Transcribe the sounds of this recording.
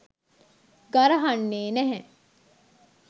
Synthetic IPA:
ɡɐɾɐɦɐnːeːnɛɦɛ̃

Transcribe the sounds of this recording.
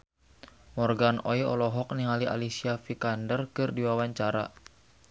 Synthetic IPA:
mɔrɡanojɔ̰lɔɦɔk̚niŋaliʔa̰lisiafikandərkɨrdiwawaɲt͡ʃaɾa̰

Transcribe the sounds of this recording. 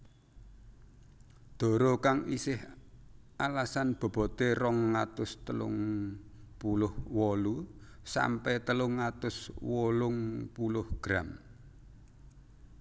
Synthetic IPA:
d̪̥o̤ɾokaŋisɪh | ʔalasanb̥o̤b̥ɔ̤t̪erɔŋːat̪ʊst̪əlʊ̰ŋ | pulʊhwɔlu | sa̰mpɛt̪əlʊŋːat̪ʊswɔlʊŋpulʊhɡ̥ɾam

